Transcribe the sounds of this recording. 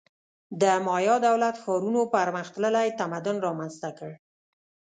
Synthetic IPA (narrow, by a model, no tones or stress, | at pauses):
d̪əmɑjɑd̪awlat̪xɑɾunopaɾməxt̪ləlajt̪amad̪ʊnɾɑmanzt̪akəɽ